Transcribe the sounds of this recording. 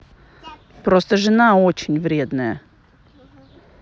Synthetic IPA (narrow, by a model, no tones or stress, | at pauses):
pɾost̪əʐɨnaot͡ɕɪnʲvɾʲed̪nəjə